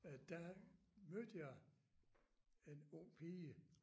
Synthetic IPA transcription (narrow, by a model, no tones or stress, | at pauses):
d̥æmød̥əjɑ | e̝nɔŋ̰pʰiːə